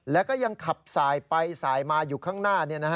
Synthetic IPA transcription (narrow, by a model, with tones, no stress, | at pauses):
lɛː˦˥kɔː˥˩ja˧ŋkʰa˨˩p̚saː˩˦jpa˧jsaː˩˦jmaː˧juː˨˩kʰaː˥˩ŋnaː˥˩ni˥˩ɐna˦˥˦